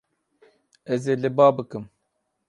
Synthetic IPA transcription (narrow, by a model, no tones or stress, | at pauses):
ɛzeːlɨbɑːbɨkɨm